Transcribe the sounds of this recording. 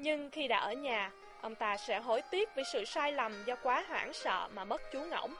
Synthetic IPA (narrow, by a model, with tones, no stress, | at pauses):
ɲɨ˧ŋxi˧ɗa̰ː˧˥ʔəː˧˩ɲaː˨˩ | ʔə˧wŋ͡mt̪aː˧sɛ̰˧˥ɦo̰˧˩jt̪i˦˥ət̚ve˨˩sɨ̰˧˨saː˧jla˨˩mzɔ˧kwaː˨˦ɦa̰ː˧˥˩ŋsə̰ː˧˨maː˨˩ɓə˦˥t̚t͡ɕu˨˦ŋə̰˧˩wŋ͡m